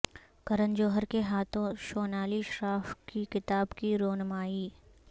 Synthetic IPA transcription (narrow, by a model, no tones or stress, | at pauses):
kɐɾənd͡ʒoːɦəɾkeɦaːt̪ʰõʃoːnaːliʃɾaːfkikɪt̪aːbkiɾoːnmaːiː